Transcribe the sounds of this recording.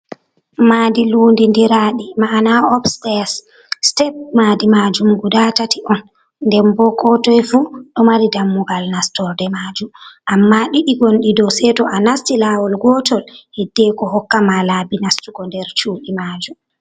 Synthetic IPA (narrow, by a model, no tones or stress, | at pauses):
maːdiluːndindiɾaɗimanaɔpstɛs | tɛp̚maːdimad͡ʒumɡudatatiʔɔnː | dɛmbɔkɔtɔjfuɗɔmaɾidamːuɡalnastɔɾdɛmad͡ʒumʔamːaɗiɗiɡonɗidɔsɛtɔʔanastilawɔlɡɔtɔlhidːɛkɔɦɔkːamalabinastuɡɔndɛɾt͡ʃuːɗimaːd͡ʒum